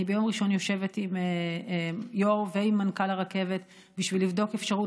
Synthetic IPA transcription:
ibejo̞mʁiʃo̞njo̞ʃe̞vet̪im | joʁveimːankalaʁake̞vet̪ | biʃvilːivdo̞kefʃaʁu

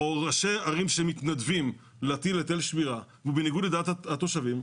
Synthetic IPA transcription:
oʁaʃeaʁimʃemit̪nad̪vim | leat̪ilet̪elʃmiʁaveubeniɡud̪led̪eat̪at̪o̞ʃavim

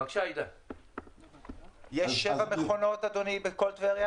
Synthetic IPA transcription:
kʃaid̪a | jeʃːevameχonot̪ad̪onibekolt̪veʁja

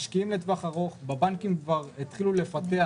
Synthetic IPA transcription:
ʃkiimlet̪vaχaʁo̞χbebaŋkimkvaʁet̪χilule̞fat̪ea

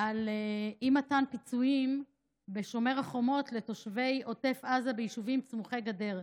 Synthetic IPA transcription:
aleimatanpit͡suim | be̞ʃo̞meʁaχo̞mo̞tle̞to̞ʃve̞jo̞te̞fazabejiʃuvimt͡smuχejɡade̞ʁ

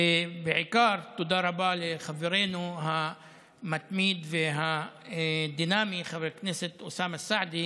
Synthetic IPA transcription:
bɪʕɪkɑːɾˤt̪ʊd̪ɑːɾˤɑbaːlixavːɪɾeːnuɦa | mat̪miːd̪vɪɦa | d̪iːnaːmixabɾkniːsɪt̪ʔʊsaːmasːaʕd̪i

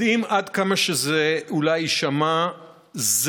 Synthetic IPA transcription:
imad̪kamaʃezeulajʃama | z

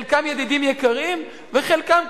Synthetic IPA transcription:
lkamjed̪id̪imjekaʁim | veχelkam

